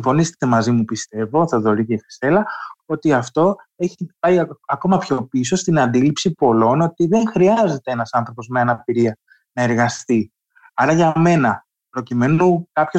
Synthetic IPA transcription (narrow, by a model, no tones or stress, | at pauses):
siɱfo̞nise̥t̪e̞mɐzimupist̪e̞vo̞θɐðo̞ɾiceife̥se̞lɐo̞t̪iɐft̪o̞e̞çipɐiɐko̞mɐpço̞piso̞st̪inɐnd̪ilipsipo̞lo̞no̞t̪iðe̞ŋxɾiɐze̞t̪e̞enɐsɐnθɾo̞po̞zme̞ɐnɐpiɾiɐ | nɐe̞ɾɣɐst̪i | ɐɾɐʝɐme̞nɐ | pɾo̞cime̞nukɐpço̞